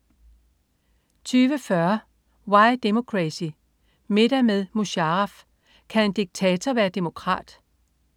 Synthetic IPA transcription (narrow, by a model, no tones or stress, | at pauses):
t͡sʰyːʋəfɶɐ | wɑ̈ɪd̥emo̝kʰʁæsi | me̝ɾ̥æmeðˠmuɕɑʁɑf | kʰæe̝nd̥iɡ̥̚t͡sʰɛːt͡sʰɐʋæːɐd̥e̝mo̝kʰʁɑ̰̈ːd̥